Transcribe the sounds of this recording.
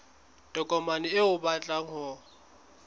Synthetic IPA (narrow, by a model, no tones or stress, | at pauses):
tʼɔkʼɔmanɪɪʊbat͡ɬʼaŋ̩hɔ